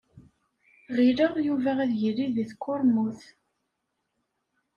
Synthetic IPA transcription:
ʁiləʁjuvææðʝilːiðiθkːʊɾˤmuθ

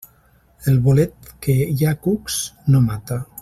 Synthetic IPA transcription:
elβolet̪̚kejakuksnomat̪a

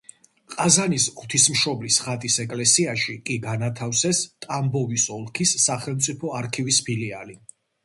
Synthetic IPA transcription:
qʼazanisʁwt̪ʰismʃɔblisχat̪ʼisɛkʼlɛsiaʃikʼiɡanat̪ʰafsɛst̪ʼambɔvisɔlˠkʰisːaχɛlˠmt̪sʼipʰɔaɾkʰivispʰiliali

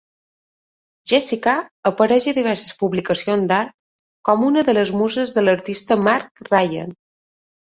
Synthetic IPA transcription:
ʒesikaəpəɾɛʒəðiβɛɾsəspuβlikəsionzd̪aɾt̪̚ | kɔmunəðələzmuzəzðələɾt̪ist̪əmaɾkrajə̰n

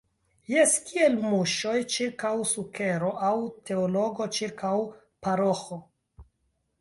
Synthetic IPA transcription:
jeskie̞lmuʃo̞jt͡ʃiɾkawsuke̞ɾo̞ʔawtʰe̞olo̞ɡo̞t͡ʃiɾkaw | paɾo̞xo

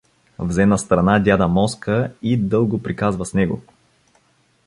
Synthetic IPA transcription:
vzɛnəst̪ɾɐnad̪ʲjad̪əmɔskəid̪ɤlˠɡʊpɾikazvəsnɛɡo̰

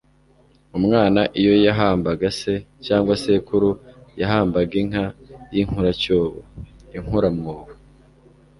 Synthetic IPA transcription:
umŋaːnaʔijo̞jaɦaːmbaɡase̞caːŋɡwasekuɾujaɦaːmbaɡiŋ̥hajiŋ̥huɾacoːβo̰iŋ̥uɾamŋoːβa

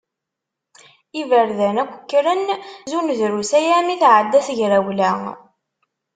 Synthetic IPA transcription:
ivəɾðænækʷːəkːɾənzunðɾusæjæmiθʕəd̪ːæθəʝɾæwlæ

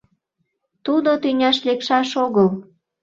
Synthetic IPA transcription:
t̪ud̪ot̪ynʲɑʃlekʃɑʃoɣəl

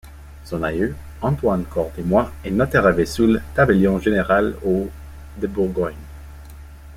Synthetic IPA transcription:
sɔ̃najø | ɑ̃t̪wankʰɔʁt̪emwaenat̪ɛʁavesult̪abeljɔ̃ʒeneʁalo | d̪əbuʁɡɔɲ

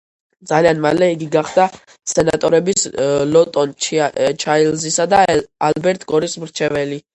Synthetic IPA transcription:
d̪zalianmalɛiɡiɡaχd̪a | sʰɛna̰t̪ʼɔ̰ɾɛbislɔt̪ʼɔnt͡ʃt͡ʃʰailzisad̪aalbɛɾt̪ʰʼɡɔɾismɾt͡ʃʰɛvɛli

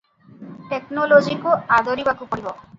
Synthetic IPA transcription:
ʈeknolod͡ʒikuad̪ɔɾibakupɔɽibɔ

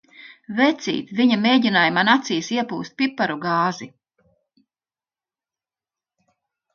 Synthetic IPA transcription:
vɛt̪sḭːt̪viɲameːɟʲinaːjmanat̪siːsiɛpuːst̪̚ʲpʲipːaɾuɡaːzi

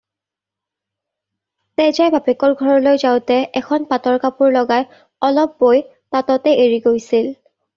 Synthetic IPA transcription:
tɛjzajbʱabekɔɹɡʱɔɹɔlojzaʊtɛʔɛkʰɔnpatɔɹkapuɹlɔɡaj | ɔlɔp̚ːoj | tatɔtɛʔeɹiɡojsil

